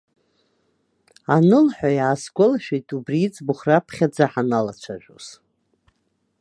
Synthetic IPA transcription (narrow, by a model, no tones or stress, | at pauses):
anɨlħʷᶣajaːsɡʷʼʊlaʃᶣejtʼubrit͡sʼbʊχrapʰχʲad͡zaħanalat͡ʃʷʰaʒʷᶣo̰z̥